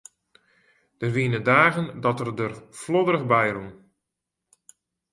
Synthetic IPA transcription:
d̥ərʋiənədaːɣəndɔtərdərflɔdəɾəɣbɛjrun

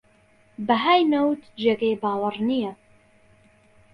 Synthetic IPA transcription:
bɐɦaːjnɐwt̪d͡ʒeːɡebaːwɐrnijɛ

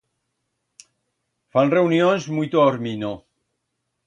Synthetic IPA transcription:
fanreunjonzmujt̪oaoɾmino

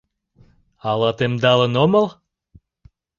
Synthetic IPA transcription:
ɑlɑt̪emd̪ɑlənoməl

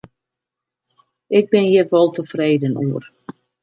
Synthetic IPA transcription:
ʔɪɡ̚bɪnjɪtʋɔlˠtəfreːdənuər

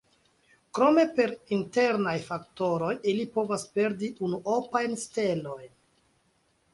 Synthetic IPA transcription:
kɾo̞me̞pe̞ɾinte̞ɾnajfakto̞ɾo̞jilipo̞vaspe̞ɾdiʔunuʔopajnste̞lo̞jn

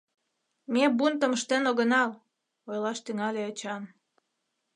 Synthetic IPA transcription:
mebunt̪ə̆məʃt̪enoɣənɑl | ojlɑʃt̪yŋɑlʲeot͡ɕɑn

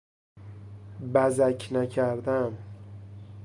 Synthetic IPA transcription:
bæzæcʰnæcʰæɾd̪æm

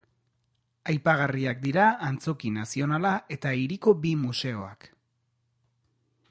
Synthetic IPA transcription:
ajpaɣ̞ariak̚d̪iɾaaːnt͡so̞kinasio̞nalae̞t̪aiɾiko̞bimuse̞o̞a̰k

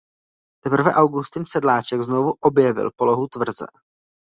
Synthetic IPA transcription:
t̪ɛpr̩vɛʔawɡust̪ɪnsɛdlaːt͡ʃɛɡzno̞vuʔo̞bjɛvɪ̰lpo̞lo̞ɦut̪vr̩zɛ̰

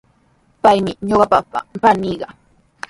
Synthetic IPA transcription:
pajmɪɲoɢɑpapa̰ɾaniːɢɑ

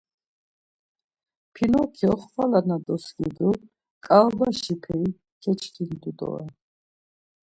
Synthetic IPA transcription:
pʰinɔkʰiɔχχalanad̪ɔsɡid̪u | kʼalbaʃipʰɛi | kʰɛt͡ʃʰkʰind̪ud̪ɔ̰ɛ

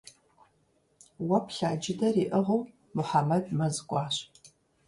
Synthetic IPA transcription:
wɐpʰɬaːd͡ʒɪdɐriːʔəʁow | mʊħamɐdmɐzɨkʷʼɑːɕ

